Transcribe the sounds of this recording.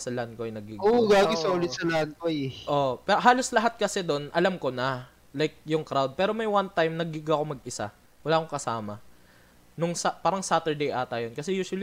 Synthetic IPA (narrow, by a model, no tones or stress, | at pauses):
sɐlɐɐnkoɐjnɐɡɪɡoɡaːɪɐolɪt̪sɐlɐɐnkojʔopɛɦaːlo̞slɐɦat̪̚kɐsɛd̪onʔɐlamko̞nɐ | lajk̚jʊŋkɾawd̪̚pɛːɾo̞mɐjwant̪ajmnɐɡɪɡɐko̞mɐɡʔɪsa̰ | wɐlaːkoŋkɐsaːmɐ | nʊŋsɐpaːɾɐŋsaːt̪ɛɹd̪ejʔaːt̪ɐjonkɐsɛjuːʃwɐli